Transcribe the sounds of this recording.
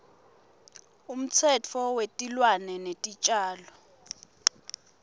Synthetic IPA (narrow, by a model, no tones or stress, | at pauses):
um̩t͡sʰɛt͡fʰɔwetʼilwanɛnetʼit͡ʃʼaːlɔ